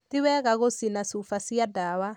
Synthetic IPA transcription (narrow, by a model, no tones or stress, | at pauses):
tiwɛɣaɣosinasufasiadawa